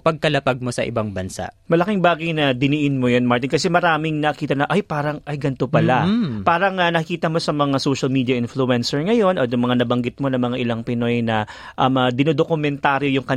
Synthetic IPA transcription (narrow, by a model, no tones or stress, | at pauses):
pɐɡ̚kɐlɐpaɡ̚mosɐ̰ʔɪ̰baŋbɐnsa̰mɐlɐkɪŋbaːɡɐjnɐd̪ɪnɪʔɪnmojonmaɹt̪ɪnkɐsɛmɐɾaːmɪŋnɐkiːt̪ɐnɐʔajpaːɾɐŋʔɐjɡɐnt̪o̞pɐlapaːɾɐŋɐnɐkɪkiːt̪ɐmo̞sɐmɐŋasowʃɐlmiːd̪ijɐʔɪnfluɛnsɛɹŋɐjo̞nʔot̪jʊŋmɐŋanɐbɐŋɡɪt̪̚mo̞nɐŋmɐŋaʔɪlɐŋpɪno̞jnɐ | ʔɐmɐd̪ɪnod̪okʊmɛnt̪aːɾjojʊŋkɐ